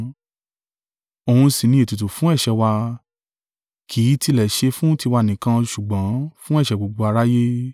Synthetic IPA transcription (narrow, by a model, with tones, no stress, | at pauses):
o˨hũ˧sĩ˨nĩ˧e˨ti˨tu˨fũ˦ɛ˦˨ʃɛ˨˧wa˧ | kʰi˨˦ti˧lɛ˨ʃe˧fũ˦ti˧wa˧nĩ˨kã˧ʃu˨ɡ͡bã˨˦fũ˦ɛ˦˨ʃɛ˨ɡ͡bo˨ɡ͡bo˧a˧ɾa˦je˦